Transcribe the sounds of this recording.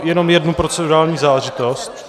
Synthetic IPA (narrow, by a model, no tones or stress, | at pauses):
jɛno̞mjɛdnupɾo̞t͡sɛduɾaːlɲiːzaːlɛʒɪt̪ost̪